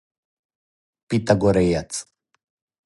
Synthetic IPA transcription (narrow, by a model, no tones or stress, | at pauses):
pit̪aɡoɾejat͡s